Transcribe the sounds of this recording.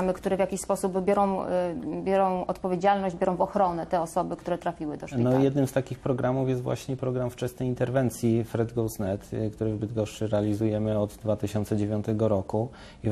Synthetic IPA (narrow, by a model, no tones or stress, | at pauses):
mɘkt̪uɾɛvʲjakʲiɕspɔsupbjɔɾɔ̃w̃bʲjɔɾɔ̃w̃ɔt̪pɔvʲjed͡ʑalnɔʑd͡ʑbʲjɔɾɔ̃w̃vɔxɾɔnɛt̪ɛɔsɔbɘkt̪uɾɛt̪ɾafʲiwɘd̪ɔʂnɔjɛd̪nɘmst̪akʲixpɾɔɡɾʔamufjɛst̪vwa̰ɕɲɛpɾɔɡɾamft͡ʂɛsnɛjint̪ɛɾvɛnt̪sʲjifɾɛd̪ɡɔw̪snɛt̪kt̪uɾɘzbɘd̪ɡɔʂʂɘɾɛalʲizujɛmɘɔd̪d̪vat̪ɘɕɔnt̪sɛd͡ʑevʲjɔ̃nt̪ɛɡɔɾɔku | i